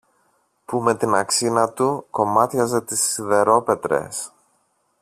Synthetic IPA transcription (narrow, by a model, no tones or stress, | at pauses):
pume̞t̪inɐksinɐt̪uko̞mɐt̪çɐze̞t̪isːiðe̞ɾo̞pe̞t̪ɾe̞̰s